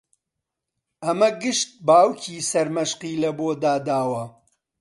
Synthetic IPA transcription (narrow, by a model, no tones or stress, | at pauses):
ʔɐmɐɡɨʃt̪̚baːwkʰiːsɐɾmɐʃqiːlɐboːd̪aːd̪aːwɐ